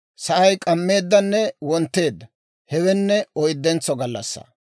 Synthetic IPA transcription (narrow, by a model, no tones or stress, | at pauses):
sɐʔɐjkʼɐmːe̞ːd̪ːɐnːɛwɔnt̪ːe̞ːd̪ːɐ | hɛwɛnːɛɔjd̪ːɛnt͡sːɔɡɐlːɐ̰sːɐ̰